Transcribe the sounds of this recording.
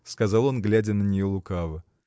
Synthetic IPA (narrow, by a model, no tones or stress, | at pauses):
skɐzɑlˠo̞nɡlʲædʲənənʲɪjolˠʊkavə